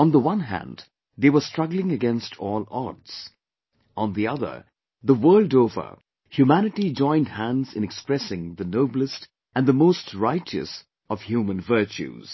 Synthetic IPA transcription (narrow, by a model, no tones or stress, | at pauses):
ə̃nðəwʌ̃nɦæ̰̃nd | ðeɪwə˞stɹ̥ʌɡlɪ̃ŋɨɡɛ̃nstʰɔːlˠɔ̰dz̥ | ə̃nðiʌðə̰˞ | ðəwɜ˞lˠdoʊvə̰˞ | hjʉmænɨʈid͡ʒɔ̃ɪ̃nd̚hæ̃ndzɨ̃nɨkspɹɛsɪ̃ŋðɨnoʊbl̩ˠəst | ʔɨ̃nðəmoʊstʰɹaɪt͡ʃɨ̰s | ʌv̥hjumə̃nvɜ˞t͡ʃʉ̰z̥